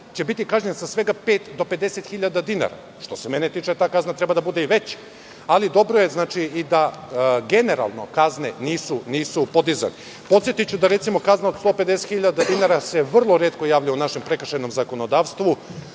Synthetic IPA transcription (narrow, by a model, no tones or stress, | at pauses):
t͡ɕe̞bit̪ikaʒɲensasʋe̞ɡapeːt̪d̪o̞pe̞d̪eset̪xiʎad̪ad̪ina̰ɾa̰ | ʃt̪o̞seme̞net̪iːt͡ʃet̪aːkaznat̪ɾebad̪abud̪eiʋe̞t͡ɕ | alid̪o̞bɾoje̞znaːt͡ʃiid̪aɡe̞neɾa̰lˠno̞̰kazneniːsuniːsupo̞d̪iza̰ne | po̞t̪sjet̪it͡ɕud̪aɾet̪simo̞kaznao̞d̪st̪o̞ped̪eset̪xiʎad̪ad̪inaɾase̞ʋr̩lˠo̞ɾeːt̪ko̞jaːʋʎajunaʃempɾekrʃeno̞mzako̞no̞d̪aːʋst̪ʋu